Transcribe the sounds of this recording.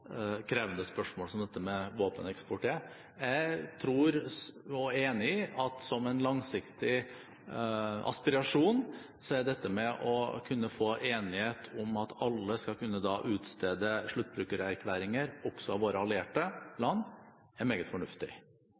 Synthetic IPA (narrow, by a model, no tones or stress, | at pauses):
kʰɾeːʋənəspœʂmoːlsɔmd̪ɛt̪ːəmɛʋoːpənɛkspʊʈʰeː | jæɪt̪ʰɾuːɾɔeːnɪɪɑt̪sɔmɛnlɑŋsɪkt̪ɪ | ʔɑ̰spɪɾɑʂuːn | sɔæd̪ɛt̪ːəmɛʔɔkʰʉnːəfoːʔeːnɪheːt̪ʰʊmɑt̪ʰɑlːəskɑkʰʉnːəd̪ɑːʔʉːt̪st̪eːd̪əʂɭʉt̪̚ːbɾʉːkəɾæɾkʰʋæːɾɪŋəɾɔksɔɑʋoːɾəɑlɪeːʈəlɑnː | æɾmeːɡət̪fɔɳʉft̪ɪ